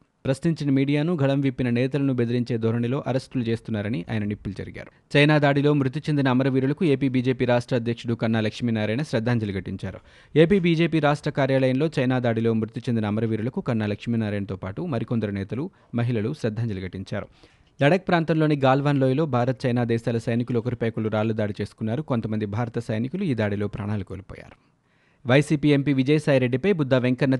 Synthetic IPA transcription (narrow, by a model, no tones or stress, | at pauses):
pɾɐsniɲt͡ʃinɐmiːɽijaːnuɡʱɐɭɐmʋipːinɐnɛːt̪ɐlɐnubed̪iɾiɲt͡ʃe̞ːd̪ʱoːɾɐɳilo̞ːʔɐɾɐsʈulut͡ʃe̞ːst̪unːaːɾɐniʔa̰ːjɐnɐnipːulud͡ʒɐ̰ɾiɡa̰ːɾu̥ | t͡ʃɐjnaːd̪aːɽilo̞ːmɾut̪̬it͡ʃend̪inɐːmɐɾɐʋiːɾulɐkue̞ːpiːbiːd͡ʒe̞ːpiːɾaːʂʈɾɐːd̪ʱjɐkʂuɽukɐnːaːlɐkʂminaːɾɐjnɐʃɾɐd̪ʱːaːɲd͡ʒɐluɡɐʈːiɲt͡ʃa̰ːɾu | e̞ːpiːbiːd͡ʒe̞ːpiːɾaːʂʈɾɐkaːɾjaːlɐjɐmlo̞ːt͡ʃɐjnaːd̪aːɽilo̞ːmɾut̪it͡ʃend̪inɐːmɐɾɐʋiːɾulɐkukɐnːaːlɐkʂminaːɾɐjnɐt̪oːpaːʈumɐɾikond̪ɐɾunɛːt̪ɐlu | mɐɦilɐluʃɾɐd̪ʱːaːɲd͡ʒɐluɡɐʈːiɲt͡ʃa̰ːɾu | lɐɽɐk̚pɾaːnt̪ɐmlo̞ːniɡaːlʋaːnloːjilo̞ːbʱaːɾɐt̪ɐt͡ʃɐjnaːd̪ɛːʃaːlɐsɐjnikuluɔkɐɾipɐːjkɐluɾaːlːud̪aːɽit͡ʃe̞ːsu̥kunːaːɾuko̞nt̪ɐmɐnd̪ibʱaːɾɐt̪ɐsɐjnikuluiːd̪aːɽilo̞ːpɾa̰ːɳaːlukoːlipɔ̰ːja̰ːɾu | ʋɐjsiːpiːe̞mpiːʋid͡ʒɐjɐsaːjɾe̞ɖːipɐjbud̪ʱːaːʋe̞ŋkɐnːɐ